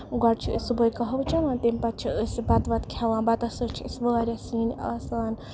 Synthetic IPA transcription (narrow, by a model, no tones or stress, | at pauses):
ɡɐɽt͡ʃʰisubəjkɐɦɐwt͡ʃʰɐnɐːnt̪imʲpɐt̪̚t͡ʃʰiɨsbɐt̪ʋɐt̪kʰʲɐʋãːnbɐt̪ɐsɨkt͡ʃʰiɨsʋaːɾʲɐsiːnʲa̰ːsaːn